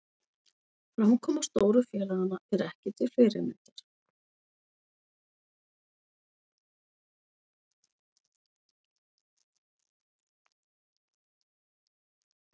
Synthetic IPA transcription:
fɾawhunkʰɔːmast̪oːwɾʏfjɛːlaɣanːaɛɾɛhcɪt̪ʰɪlfɪːɾɪ̰mɪ̰nt̪aɾ̥

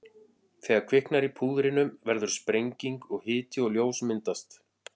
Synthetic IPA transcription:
θɛːɣaɾkʰvɪhknaɾipʰuːðɾɪnʏmvɛɾðʏɾ̥spɾejɲciŋkɔɣhɪːt̪ɪɔɣljoːwsmɪnt̪ast̪

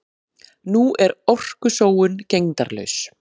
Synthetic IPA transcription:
nuʔɛɾɔr̥kʏsoːwʏncejŋt̪aɾlœ̰ɥs

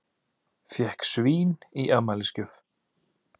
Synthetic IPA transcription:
fjɛhksviːniʔɛmaliscʏf

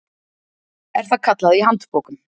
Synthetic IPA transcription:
ɛɾ̥fakʰat̪laðiɦant̪pɔːkʏm

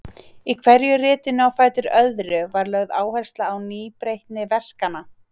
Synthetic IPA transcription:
ikʰvɛɾjʏrɪːt̪ɪnʏawfaːjt̪ʏɾœðɾʏvaɾlœɣðaːwhɛjr̥st̪laːwniːpɾejht̪nɪvɛr̥kanːa

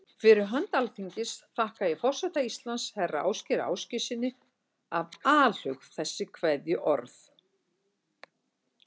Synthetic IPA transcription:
fɪɾɪɾɦœnt̪alθiɲcɪsθahkajɛfɔr̥sɛht̪aist̪lanshɛrːa̰a̰ːwscɪɾa̰wscɪsɪnːɪ | avaːl̥ʏxθɛsːɪkʰvɛðjʏʔɔ̰ɾθ

